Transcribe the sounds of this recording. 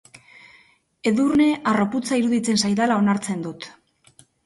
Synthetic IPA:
e̞ðurne̞ʔaro̞put͡saiɾuðit͡se̞nsajðalao̞naɾt͡se̞nd̪ut̪

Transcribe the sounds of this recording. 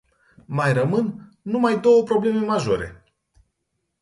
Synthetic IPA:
majrəmɨnː | umajd̪o̞wəpɾo̞ble̞me̞maʒo̞̰ɾe̞̰

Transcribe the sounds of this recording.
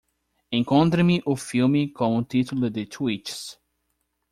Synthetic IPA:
ẽŋkõnt̪̬ɾɐmiʔʊfilmɪkõw̃ũt̪it̪ʊlʊd̪ɪt̪ʰwit͡ʃs

